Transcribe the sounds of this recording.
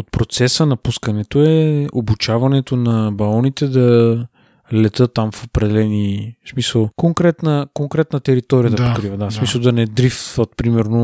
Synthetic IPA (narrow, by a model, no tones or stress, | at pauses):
ot̪̚pɾot̪sɛsənɐpuskɐnɛt̪oɛobut͡ʃavɐnɛt̪onɐbɐlɔnit̪ɛd̪ɐ | lɛt̪ɤt̪ːamfopɾɛd̪ɛlɛnismisəlˠkoŋkɾɛt̪nəkoŋkɾɛt̪nət̪ɛɾit̪ɔɾiəd̪ɐpokɾivəd̪asmisəlˠd̪ɐnɛd̪ɾifvət̪̚pɾimɛɾno